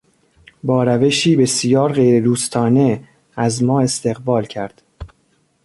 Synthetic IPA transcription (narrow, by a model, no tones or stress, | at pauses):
bɒːɾæve̞ʃiːbe̞sijɒːɾɣe̞jɾed̪uːst̪ʰɒːne̞ | æzmɒːe̞st̪e̞ɣbɒːlcʰæɾd̪̥